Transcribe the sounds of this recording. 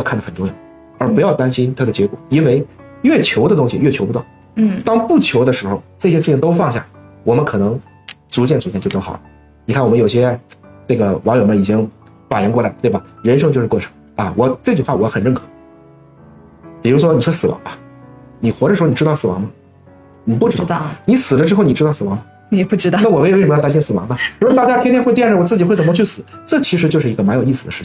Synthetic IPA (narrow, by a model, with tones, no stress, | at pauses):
kʰa˥˩nd̪ə˩xə˨˩ʈ͡ʂʊ˥ŋjo˨˩˦ | ə˞˧˥pu˧˥jɑ˥˩ʊt̪a˥nɕi˥nt̪ʰa˥d̪ə˨t͡ɕjɛ˧˥kwɔ˨˩i˥nwe˥˧ɪɥɛ˥˩t͡ɕʰjo˧˥ʊd̪ə˧t̪ʊ˥ŋɕḭ˨˧ɥɛ˥˩t͡ɕʰo˧˥ʊpu˧t̪wʊ̰˥˩ŋ̩˥˩ | t̪ɑ˥ŋpu˥˩t͡ɕʰjo˧˥ʊd̪ə˧ʂɻ̩˧˥xo˧ʊʈ͡ʂa˥˩ɕjɛ˥ʂɻ̩ʰ˥˩i˥˩ŋt̪o˥ʊfɑ˥˧ŋɕja̰˥˩wɔ˨˩mə˦nkʰɤ˨˩nɤ˧˥ŋ | t͡su˧˥t͡ɕjɛ˥˩nt͡su˧˥t͡ɕjt͡ɕjt̪o˥ʊɑ˨˩ʊlə˦ | ni˨kʰa˥˩wɔ˨˩mə˦jo˨˩ʊɕjɛ˥ʈ͡ʂɤ˥˩ɡə˩wɑ˧˥ŋjo˨˩ʊmə˧˦i˨˩t͡ɕi˥ŋ | fa˨˩jɛ˧˥nkwɔ˥˩la˧˥ɪlət̪we˥˩bɐ˩ɻə˧˥nʂ̬ɤ˥ŋt͡ɕo˥˧ʊʂɻ̩˥˧kɔ˥˩ʈ͡ʂʰɤ̥˨˧˩ŋ | ɐ˧wɔ˨˩ʈ͡ʂɤ˥˩t͡ɕy˨˩nxwa˥˩wɔ˧˥xə˨˩nɻə˥˩ŋkʰɤ˨˩˦ | pi˨˩ɻu˧˥ʂwɔ˥ni˨˩ʂʰɔ˥˩sɹ̩˨˩wɑ̰˧˥ŋɐ˧ | ni˨˩xwɔ˧˥ɾə˧˩ʂɻ̩˧˥˧n˨˩ʈ͡ʂɻt̪ɑ˥ʊsɹ̩˨˩wɑ̰˧˥ŋmə˧ | ni˨˩pu˥˩ʈ͡ʂɻ̩˥˧ɑ˥˧ni˧˥sɹ̩˨˩lə˦ʈ͡ʂɻ̩˥o˥˩ʊni˨˩ʈ͡ʂɻtɑ˥˩ʊsɹ̩˨˩wɑ˧˥ŋmə˧ | ɛ˨˩pu˥˩ʈ͡ʂɻ̩˥˧na˥˩wɔ˨˩we˥˧˥ʂə˩m˧jt̪a˥ɕɛ˥˩nsɹ̩˨˩wɑ̰˧˥ŋnə˧u˧˥˨t̪a˥˩t͡ɕja˥˩t̪ʰɛ˥t̪ʰjwe˥˧t̪jɛ˥˩nʂwɔ˨˩t͡sɹ̩˥˩t͡ɕi˨˩xe˥˩ɪt͡sə˨˩mə˧˥t͡ɕʰy˥˩sɹ̩˨˩˦ʈ͡ʂɤ˥˩t͡ɕʰi˧˥ʂɻ̩˧˥t͡ɕjo˥˧ʊʂ̬ɻ̩˥˩i˧˥ɡə˧ma˧˥njo˨˩ʊi˥˩sɹ̩˨d̪ə̰˩ʂ̩˥˩t͡ɕ